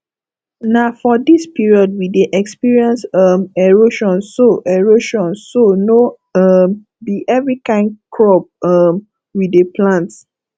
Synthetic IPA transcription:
nafɔdispiɹiɔd̚wideʔɛkspiɹiɛ̃nsʌmɛɹoʃɔ̃nsoʔɛɹoʃɔ̃nsono | ʌm | diʔɛvɹikãɪ̃ndkʰɹɔp̚ʌm | wideplãnt

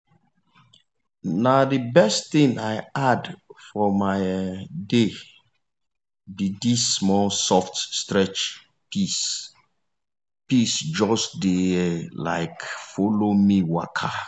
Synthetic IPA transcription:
nadibɛstθĩnaɪadfɔmaɪde | bidisːmɔlsɔftstɹɛt͡ʃ | pis | pisd͡ʒɔsdela̰ɪkfolomiwakʰa

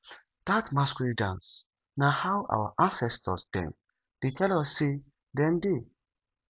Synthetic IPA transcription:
d̪̥atmaskɹidãns | nahawʔa̰wə̰ʔãnsɛstʰə̰sdɛ̰̃m | d̥itʰɛlɔsːi | dɛ̃ndi

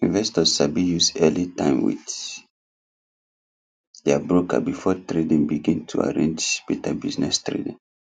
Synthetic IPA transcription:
ĩnvɛstɔzʃabijusɛlitãɪmwḭθ | dɛabɹoka̰bifɔtɹedĩnbiɡĩntʰua̰ɹḛ̃nd͡ʒb̥ɛtʰabiznɛstɹḛdĩn

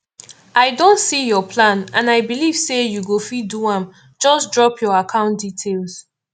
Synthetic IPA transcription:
ʔaɪdõntsijɔpʰlãnãnaɪbiliv̥sejuɡofiduãm | d͡ʒɔsdɹɔpʰjɔakʰãʊ̃ntditʰels

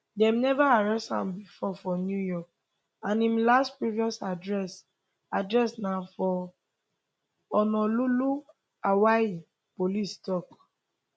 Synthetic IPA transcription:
dɛ̃mnɛvaaɹɛstã̰mbifɔfɔnjujɔk̚ | ãnĩmlastpɹiviɔsadɹɛs | adɹɛsnãfɔ | ɔnɔ̃lulu | awai | polistɔk

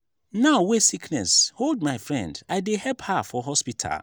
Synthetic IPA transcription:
naʊwesikʰnɛ̰shold̚maɪfɹɛ̰̃ndaɪdehɛlphafɔɦɔspitʰa̰l

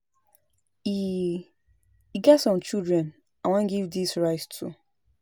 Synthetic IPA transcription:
i | iɡɛtsɔ̃mt͡ʃildɹɛ̃n | awãnɡivdisɹaɪstʰu

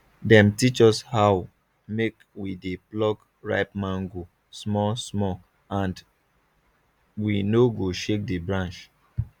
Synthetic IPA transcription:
dɛ̃mtit͡ʃɔshaʊ | mek | wideplɔɡ | ɹa̰ɪpmãŋɡo | smɔsmɔ | ãnd | winoɡoʃek̚debɹãnt͡ʃ

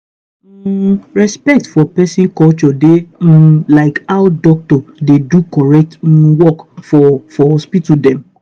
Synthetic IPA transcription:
ɹɛspɛk̚tfɔpɛsĩnkɔlt͡ʃɔde | laɪkaʊdɔk̚tɔdedukɔɹɛk̚twɔkfɔfɔhɔspitudɛ̃m

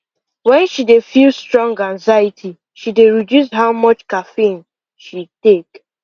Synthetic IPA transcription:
wɛ̃nʃidefilstɹɔ̃ŋɡãŋzajɪtʰi | ʃideɹidjusɦaʊmɔt͡ʃkafen | ʃitek

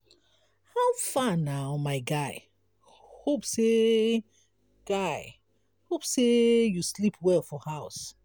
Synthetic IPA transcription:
haʊfanaʊmaɪɡaɪ | hopse | ɡ̥aɪ | hopsejuslipʰwɛlfɔhaʊs

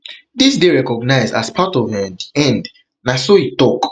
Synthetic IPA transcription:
disdeɹɛkɔɡnaɪza̰spʰatɔvɛ̃ndɛ̃nd | nasoitɔk

